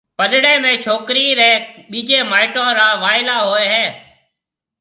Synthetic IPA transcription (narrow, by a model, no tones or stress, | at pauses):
pəɗɽẽːmẽːt͡ʃʰoːkɾiːɾẽːɓiːd͡ʒeːmaːɪʈõːɾaːʋaːɪlaːɦoːeːɦɛ̃ː